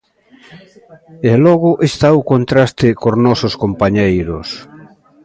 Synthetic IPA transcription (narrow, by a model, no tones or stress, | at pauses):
elɔɣʊʔest̪aokont̪ɾast̪ɪkoznɔsoskompaɲejɾos